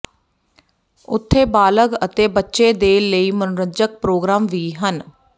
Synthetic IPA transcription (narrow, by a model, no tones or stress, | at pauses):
ʊt̪ʰːeːbaːləɡət̪eːbətːʃeːd̪eːləiːmənɾəd͡ʒək̚pɾoːɡɾaːmʋiːɦən